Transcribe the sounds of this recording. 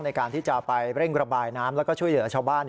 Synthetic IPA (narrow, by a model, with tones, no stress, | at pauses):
ŋna˧jkaː˧nt̪ʰiː˥˩t͡ɕa˨˩pa˧jɾe˥˩ŋɾa˧baː˧jnaː˦˥mlɛː˦˥wkɔː˥˩t͡ɕʰu˥˩əjlɯ˩˦ɐt͡ɕʰaː˧wbaː˥˩n